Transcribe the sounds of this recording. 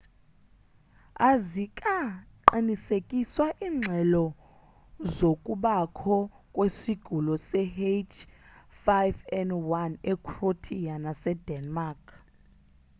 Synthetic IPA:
azikʼaǃinisekʼiswaʔiːŋ͡ǁʱɛlɔ | zokʼuɓakʰɔ | kʼwesiɡ̥ʱulɔsɛhet͡ʃfajvɛnwanɛkʰrotʰijanasɛdɛnmakʰ

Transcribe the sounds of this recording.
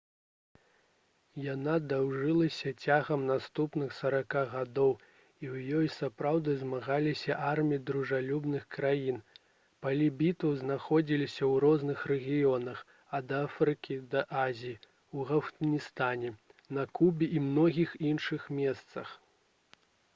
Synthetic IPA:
janad̪awʐɨlˠɐsʲɐt͡sʲaɣɐmnast̪upnɨxsɐɾakaɣad̪ɔw | iwjɔjsapɾawd̪ɨzmaɣalʲisʲɐʔarmʲijid̪ɾuʐalʲubnɨxkɾajin | pɐlʲɛbʲit̪ɐwznaxɔd͡zʲilʲisʲɐwɾɔznɨxrɛɣʲijɔnɐx | ɐd̪ɐafɾɨkʲid̪ɐʔazʲiji | wɣɐft̪nʲist̪anʲɛnɐkubʲiʔimnɔɣʲixinʂɨxmʲɛst̪sɐ̰x

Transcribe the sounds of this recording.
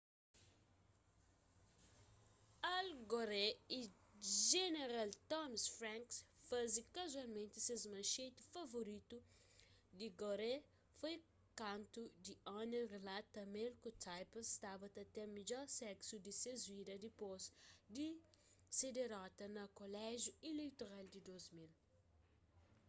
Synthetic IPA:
alɡoɾeiʒeneɾalt̪ɔmsfɾãŋksfazikɐzualmẽnt̪isezmɐ̃ʃet̪u̥fɐvoɾit̪u | d̪iɡoɾe | foj | kãnt̪ud̪iɔnẽrelat̪ɐmẽlkut̪ajpɐst̪abɐt̪ɐt̪emid͡ʒɔɾsɛksud̪isezvid̪ɐd̪ipozd̪i | sed̪eɾɔt̪ɐnɐkolɛʒjuilejt̪oɾald̪id̪ozmil

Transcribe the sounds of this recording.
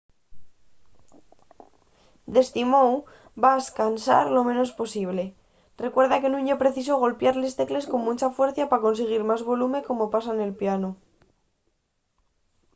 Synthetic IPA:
d̪e̞st̪imow | baeskansa̰ɾlo̞mẽ̞no̞sposiβ̞le̞ | re̞kwe̞ɾðake̞nũɲepɾe̞θis̬o̞ɣ̞o̞lpjaɾle̞st̪e̞kle̞sko̞mmut͡ʃafwe̞ɾθjapako̞nseɣ̞iɾmazβo̞lume̞ko̞mo̞pasaene̞lpjano

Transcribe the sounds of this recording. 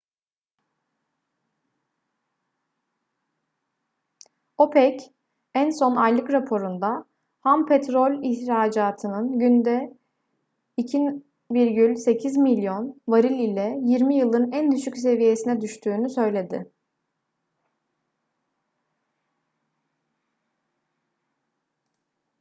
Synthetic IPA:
opʰɛc | ænso̞najlˠɯkɾapʰo̞ɾund̪a | hampʰet̪ɾo̞lʲiçɾaːd͡ʒaːt̪ʰɯnɯnɟynd̪ɛ | icʰin | biɾɟylʲse̞cʰizmilʲjo̞nvaɾilʲilʲɛjiɾmijɯlˠɯnænd̪yʃycse̞vije̞sinɛd̪yʃt̪ʰyːnysø̞jlʲe̞d̪ɪ̰

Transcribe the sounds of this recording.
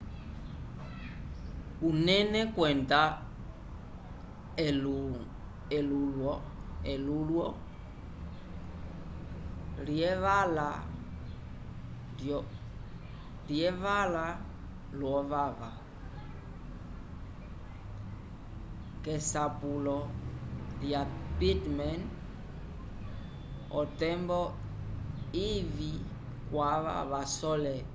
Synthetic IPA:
unɛnɛkwɛnda | lu | ɛlulwɔɛlulwɔ | liɛβala | jɔ | liɛvala | lwɔvava | kɛsapulɔ | ljapitmɛn | ɔtɛmbɔ | ivi | kwaβa̰βasɔlɛ

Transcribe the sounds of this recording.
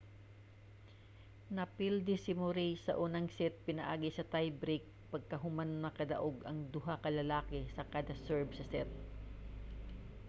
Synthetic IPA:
nɐpild̪ɪsɪmʊɾijsɐ̰ʔuːnɐŋsɛt̪̚pɪnɐʔaːɡɪsɐt̪ajbɾik̚ | pɐɡ̚kɐɦʊmanmɐkɐd̪ɐʔoɡɐŋd̪ʊɦakɐlɐlaːkɛsɐkaːd̪ɐsɛɹbsɐsɛt̪̚

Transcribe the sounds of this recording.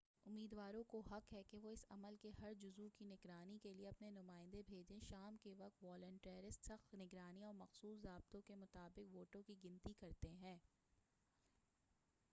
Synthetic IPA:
ʊmːiːd̪ʋaːɾõkoɦɐqɦɛkeʋoɪsɐ̰məlkeɦɐɾd͡ʒʊzukinɪɡɾaːnikelieɐpnenʊmaːɪ̃nd̪ebʱeːd͡ʒẽʃaːmkeʋɐq̚t̪ʋɔːlə̃ɳʈeːɾɪsʈsɐxt̪nɪɡɾaːniɔːɾmɐxsuːsɾaːb̚t̪õkemʊt̪aːbɪqʋoːʈõkiɡɪ̃nt̪ikɐɾt̪eɦɛ̃ː

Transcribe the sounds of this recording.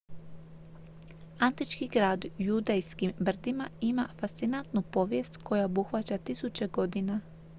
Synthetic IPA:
ant̪it͡ʃkiɡɾaːd̪jud̪ejskimbr̩d̪imaimafast̪sinant̪nupo̞ʋjest̪kojaobuxʋat͡ɕat̪isut͡ʃeɡo̞d̪ina

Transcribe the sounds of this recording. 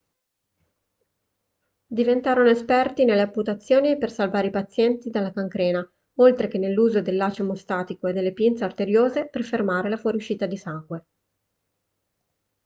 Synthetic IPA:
d̪ivent̪aːɾonoespɛrt̪inelːeapːut̪at̪sːjoːnipersalvaːɾeipat̪sːjɛnt̪id̪alːakaŋkɾɛːna | olt̪ɾekenːelːuːzod̪elːaːt͡ʃemost̪aːt̪ikoed̪elːepjint̪saort̪eɾjoːzeperfermaːɾelafuɔːɾiuʃːiːt̪ad̪isaŋɡwe

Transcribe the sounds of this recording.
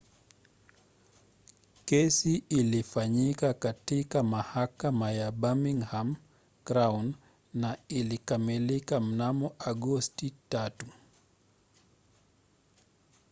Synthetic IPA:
kɛsiilifaɲikakatikamahakamajaɓamiŋham | kɾawn | nailikamilikam̩namɔʔaɡɔstitatu

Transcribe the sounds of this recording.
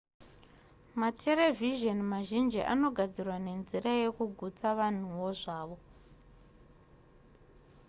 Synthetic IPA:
matʰe̞ɾe̞viʒonmaʒind͡ʒiʔa̰no̞ɡʱad͡zirwane̞nziɾaje̞kuɡʱut͡saʋan̤uʋo̞ʐaːʋo̞

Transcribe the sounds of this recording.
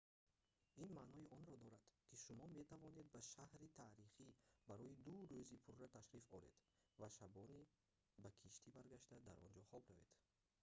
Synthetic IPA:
inmanɔiʔɔnɾɔd̪ɔɾad̪̥kʰiʃumɔme̞t̪ʰavɔne̞d̪̚baʃahɾit̪ʰaɾiχibaɾɔjid̪uɾøzipʰurːat̪ʰaʃɾifɔɾḛd̪ | vaʃabɔni | bakʰiʃt̪ʰibaɾɡaʃt̪ad̪aɾʔɔ̰nd͡ʒɔχɔbɾaved̪̥

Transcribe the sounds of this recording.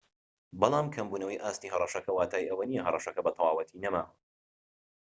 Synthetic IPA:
bɑlˠaːmkʰɐmbuːnɐwɐjʔaːst̪iːɦɐrˤɑʃɐkʰɐwaːt̪ʰaːjʔɐwɐnijɐɦɐrˤɑʃɐkɐbɐt̪ʰɐwaːwɐt̪ʰinɐma̰ːw

